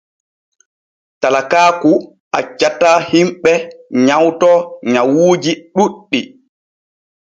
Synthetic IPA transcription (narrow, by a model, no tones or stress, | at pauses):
talakaːku | ʔa̰t͡ʃːatahimɓɛɲawtɔɲawuːd͡ʒiɗuɗːi